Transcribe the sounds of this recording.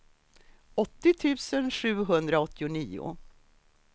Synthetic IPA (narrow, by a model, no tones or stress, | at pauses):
ɔt̪ːɪt̪ʰʉ̟ːsənʂʉ̟ːɦɵnd̪ɾaɔt̪ːɪʊniːʊ̰